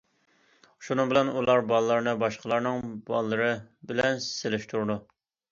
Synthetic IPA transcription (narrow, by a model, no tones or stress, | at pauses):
ʃunɨŋbɪlɛnulˠɑɾbɑlˠlˠɑɾnɨbɑʃqʰəlˠɑɾnɨŋbɑ̰lˠːɨɾɨbɪlɛnselɪʃt̪ʰuɾd̪u